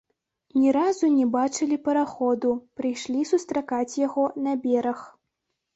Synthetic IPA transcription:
nʲɛɾazunʲɛbat͡ʂɨlʲipɐɾaxɔd̪upɾɨjʂlʲisust̪ɾakat͡sʲjaɣɔnɐbʲɛɾɐx

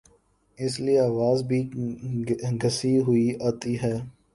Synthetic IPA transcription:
ɪslieaːʋaːzbʱi | ɡʱɐsiɦʊiaːt̪iɦɛː

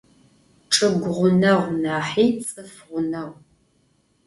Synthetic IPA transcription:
ʈ͡ʂʼɨɡʷʁʷʊnɐʁʷnaːħiːt͡sʼɨfʁʷʊnɐʁʷ

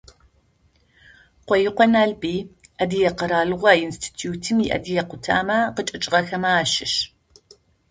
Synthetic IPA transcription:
qʷɔjɪqʷɔnaːɮbiːʔɐdijɛqəɾaːɮɨʁʷɐinstʰi̥tʰjuːtʰɨmiʔɐ̰dijɛqʷʊtʰa̰ːmɐqət͡ʃʼɨt͡ʃʼɪʁɐxɐmaːʃɪʃ

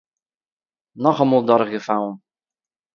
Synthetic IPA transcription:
nɔχɔmulˠd̪ɔɾɣɘfaw

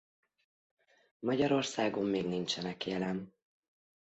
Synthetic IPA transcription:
mɒɟɒɾo̞rsaːɡo̞mːeːɡnint͡ʃɛnɛkjɛlɛn

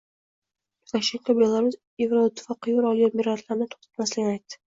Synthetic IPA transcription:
ʊk̪ʰaʃeŋkʰʲobelˠaɾʊs | evɾoʊt̪ʰːɪ̥fɑqːɨjuɾɒlˠjomiɾat̪laɾnɪt̪ʰo̥χt̪ʰḁt̪maslɪɡʲɪnajt̪ːɪ̥

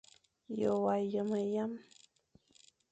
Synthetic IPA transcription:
jowajamajam

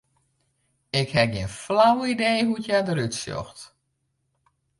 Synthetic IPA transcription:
ɪkhɛɡiənflawideːɦutjadəɾytsjɔ̰xt

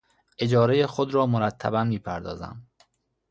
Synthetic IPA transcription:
ʔe̞d͡ʒɒːɾejexod̪ɾɒːmoɾæt̪ʰːæ̰bæmːiːpʰæɾd̪ɒ̰ːzæ̰m

